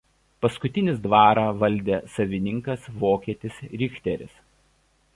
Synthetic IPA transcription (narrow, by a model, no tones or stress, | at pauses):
pɐskʊt̪ʲɪnʲɪs̬d̪ʋɑːɾɑʋɐlʲˑd̪ʲeːsɐʋʲɪnʲɪŋkɐsʋoːkʲiɛt̪ʲɪsɾʲɪkt̪ʲɛɾʲɪ̰s